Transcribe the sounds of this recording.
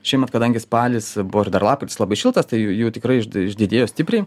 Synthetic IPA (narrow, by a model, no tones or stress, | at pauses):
ʃʲɛɪmɐt̪kɐd̪ɐŋʲɡʲɪspɑːlʲɪsbʊʋoːɪrd̪ɐrlˠɑːp̚kʊt̪ʲɪslˠɐbɐɪʃʲɪlˠt̪ɐst̪ɐɪjujuːt̪ʲɪkɾɐɪɪʃɪʒʲd̪ʲɪd̪ʲeːjoːsʲt̪ʲɪpʲɾʲɛɪ